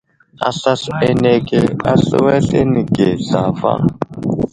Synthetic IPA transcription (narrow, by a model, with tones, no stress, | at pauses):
a̰˨ɬa˦ɬɛ˦nɛ˦kʼɛ˦a˦ɬɪ̰˦wɛ˦ɬe˦ni˨ɡɛ˨ɬa˨fa̰˦